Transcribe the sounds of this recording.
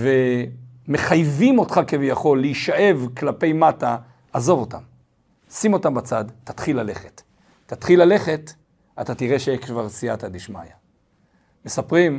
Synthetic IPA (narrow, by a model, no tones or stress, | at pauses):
ve̞me̞χajvimo̞tχakevijaχo̞lːeiʃaʔe̞vklape̞jmataː | zo̞vo̞ta̰m | simo̞tambat͡sadtḁtχilːale̞χetː | atχilale̞χe̞t | atatiʁe̞ʃejekvaʁsiatadiʃma̰ja | me̞sapʁim